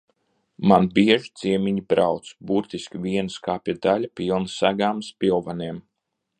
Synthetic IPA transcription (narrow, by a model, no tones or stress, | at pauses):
manbiɛʒit̪zʲiɛmʲiɲibɾawt̪sbuɾt̪iskʲivʲiɛnskaːpʲiɛd̪alʲapʲilˠnɨsaɡaːmspʲilˠvaniɛm